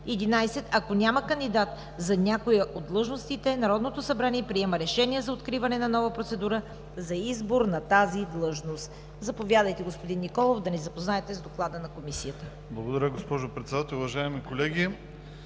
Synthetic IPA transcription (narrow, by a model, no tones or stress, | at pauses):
ɛd̪inajsɛt̪ɐkonʲaməkənd̪id̪at̪ | zɐnʲakoiod̪lˠɤʒnost̪it̪ɛnɐɾɔd̪not̪osɐbɾaniɛpɾiɛmɐɾɛʃɛniɛzɐot̪kɾivɐnɛnɐnɔvəpɾot̪sɛd̪uɾə | zɐizboɾnɐt̪azid̪lˠɤʒnost̪ | zɐpovʲjad̪əjt̪ɛɡospod̪inːikɔlˠovd̪ɐnɛzɐpoznaɛt̪ɛzd̪oklˠad̪ənɐkomisijət̪ə | blˠɐɡod̪ɐɾʲəɡospɔʒopɾɛt̪sɛd̪at̪ɛlˠʊvɐʒaɛmikolɛɡʲi